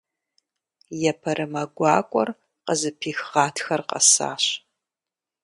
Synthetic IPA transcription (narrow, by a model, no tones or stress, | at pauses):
jɛpʰɐɾʔɨmɐɡʷɑːkʷʼɔr | qəzɨpʰiːxʁɑːtʰxɐrqɐ̰sa̰ːɕ